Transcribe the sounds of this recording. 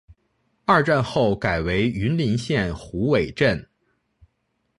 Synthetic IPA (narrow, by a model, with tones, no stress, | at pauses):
a˥˧ʈ͡ʂa˥˧nxo˥˩ʊka˨˩ɪwe˧˥ɪy˧˥nli˧˥nɕjɛ˥˩nxu˧˥we˨˩ɪʈ͡ʂə˥˩n